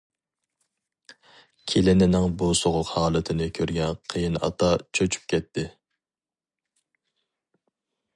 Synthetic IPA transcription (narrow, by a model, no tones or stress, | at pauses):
kʲʰelɪnɪnɪŋbusoʁʊqhɑːlˠɨt̪ʰɪnɪkʲʰøɾɡʲɛnqʰəjinɑ̰t̪ʰɑt͡ʃʰøt͡ʃʰy̥p̚kʲʰɛt̪ʰːɪ